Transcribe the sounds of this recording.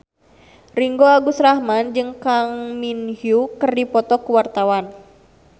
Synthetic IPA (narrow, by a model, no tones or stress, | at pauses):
riŋɡoaɡusɾahmand͡ʒɨŋkaŋminhjukərdipɔt̪ɔkuwart̪awan